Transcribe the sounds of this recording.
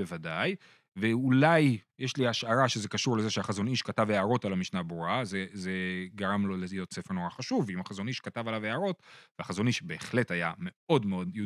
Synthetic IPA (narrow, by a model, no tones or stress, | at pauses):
evadaj | veulajjeʃliaʃaʁaʃeze̞kaʃuʁleze̞ʃeaχazo̞niʃkataveaʁo̞talamiʃnabʁuazeze̞ɡaʁamlo̞lejo̞tt͡se̞feʁnoʁaχaʃuvimaχazo̞niʃkatavalaveaʁo̞tveaχazo̞niʃbe̞ːχle̞thajame̞o̞dmeo̞dju